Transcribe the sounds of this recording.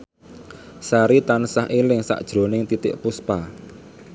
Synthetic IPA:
saɾit̪ansaɦʔelɪŋsa̰ʔd̥ʒ̥ɾo̤nɪŋt̪it̪ɪʔpuspa

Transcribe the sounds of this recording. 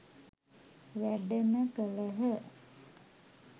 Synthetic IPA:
ʋæɖəməkələɦə

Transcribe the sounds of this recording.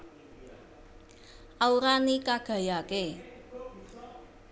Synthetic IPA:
ʔauɾanikaɡ̥a̤jake

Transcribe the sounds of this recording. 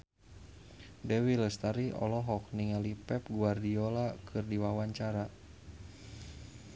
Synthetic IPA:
dɛwiləst̪aɾiʔɔ̰lɔɦɔk̚niŋalipɛp̚ɡuardiolakʰɨrdiwawaɲt͡ʃaɾa

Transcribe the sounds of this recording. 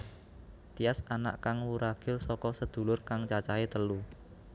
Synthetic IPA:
t̪iasana̰ʔkaŋwuɾaɡ̥ɪ̤lsɔkɔsəd̪̥ṳlʊrkaŋt͡ʃat͡ʃaet̪əlu

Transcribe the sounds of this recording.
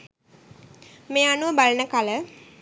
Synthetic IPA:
meːanuʋəbalənəkalə

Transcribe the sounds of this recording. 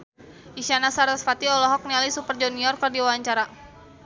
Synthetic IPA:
iʃanasaɾasfat̪iɔlɔɦɔk̚nialisupərd͡ʒɔniɔrkərdiwawaɲt͡ʃaɾa

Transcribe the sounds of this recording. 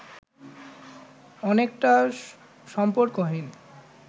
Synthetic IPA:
ɔnek̚ʈa | ʃɔmpoɾkoɦin

